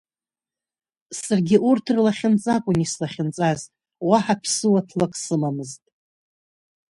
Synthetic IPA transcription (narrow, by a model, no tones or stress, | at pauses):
sarɡʲɪʔurtʰrlaχʲɪnt͡sʼakʷʼʊnislaχʲɪnt͡sʼaz | waħapʰsɨwatʰlakʼsɨmamɨztʼ